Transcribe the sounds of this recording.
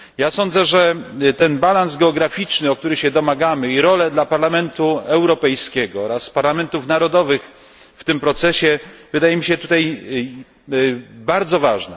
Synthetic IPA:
jasɔnd̪zɛʐɛt̪ɛnbalanzɡɛɔɡɾafʲit͡ʂnɘɔk̚t̪uɾɘɕɛd̪ɔmaɡamɘiɾɔlɛd̪lapaɾlamɛnt̪uɛwɾɔpɛjskʲɛɡɔɔɾaspaɾlamɛnt̪ufnaɾɔd̪ɔvɘx | ft̪ɘmpɾɔt̪sɛɕɛvɘd̪ajɛmʲiɕɛt̪ut̪aj | baɾd̪zɔvaʐnɛ̰

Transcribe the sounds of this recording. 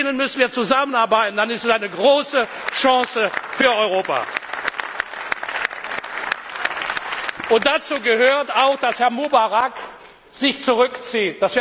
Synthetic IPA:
ɪnənmʏsn̩viːɐt͡suzamənaɐbaɪtn̩d̥anɪstɛsaɪnəɡʁoːsə | ʃɑ̃ːsəfyːɐɔʏʁoːpa̰ | ʔʊnt̚d̥at͡suːɡəɦøːɐtaʊxd̥ashɛɐmubaʁak | z̥ɪçt͡suʁʏkt͡siːtd̥asv̥i

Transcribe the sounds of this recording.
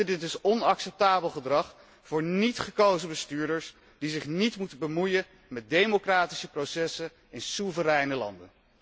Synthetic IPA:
dɪtɪsɔnɑksɛp̚taːbəlˠχədrɑχ | fʊːɹnitχəkowzəbəstyːɹdəɹs | dizɪχnitmutəbəmujə | mɛt̚dejmokraːti̥səprowsɛsə | ɪnsuvəɾɛjnəlɑ̰ndə̰n

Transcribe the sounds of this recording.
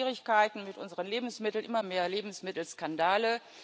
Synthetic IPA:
ʁɪçkaɪtn̩mɪtʔʊ̰nzəʁənleːbm̩smɪtl̩nʔɪmɐmeːɐleːbm̩smɪtl̩skandaːlə

